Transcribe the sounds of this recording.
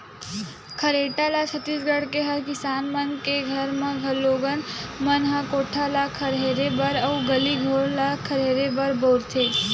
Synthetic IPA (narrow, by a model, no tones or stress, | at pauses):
kʰəɾeʈalat͡ʃʰət̪ːisɡəɽkeɦəɾkɪsaːnmənkeɡʱəɾmẽɡʱəlːoɡənmənɦakoʈʰalakʰəɾɦeɾebəɾəuɡəliɡʱoɽlakʰəɾɦeɾebəɾbəwɾt̪ʰe